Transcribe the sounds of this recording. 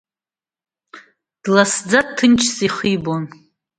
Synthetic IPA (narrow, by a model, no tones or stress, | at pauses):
d̥lasd͡zadtʰːɨnt͡ʃʰsiχibon